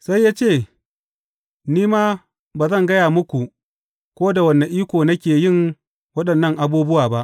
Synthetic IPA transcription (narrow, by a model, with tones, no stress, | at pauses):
sa˦jːaː˦t͡ʃeː˦˨ | niː˦maː˦ | baː˨zɐ˦˨ŋɡɐ˦jaː˨mʊ˦kʷu˨ | kʷoː˦da˨wɐ˨nːa˨ʔiː˦kʷoː˨nɐ˦kʲeː˨jɪ˦˨ŋ | wɐ˦ɗɐ˨nːɐ˦ŋʔa˨buː˦bʊ˦waː˨ba˦ʔ